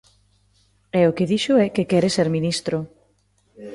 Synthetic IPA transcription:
ɛokeðiʃʊɛkekɛɾeseɾminist̪ɾo

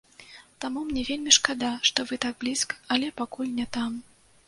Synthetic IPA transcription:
t̪amumnʲɛvʲelʲmʲiʂkad̪aʂt̪ɔvɨt̪aɡ̚blʲiskɐ̥ɐlʲɛpakulʲnʲɛt̪am

